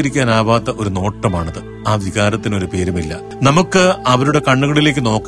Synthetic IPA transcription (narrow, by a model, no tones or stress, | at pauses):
ɐɾikʲːaːnaːʋaːt̪ːɐʔo̞ɾuno̞ːʈːɐmaːɳɐðɨ | aːʋiɣaːɾɐt̪ːino̞ɾupe̞ːɾumilːɐ̰ | nɐmukːɨɐʋɐɾuɽe̞kɐɳːuɣɐɭile̞ːk̬ʲːɨno̞ːkː